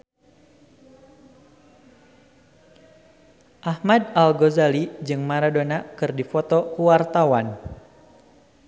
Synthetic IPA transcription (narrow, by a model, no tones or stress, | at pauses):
ʔahmadalɡozalid͡ʒɨŋmaɾadonakɨrdifɔt̪ɔkuwart̪awan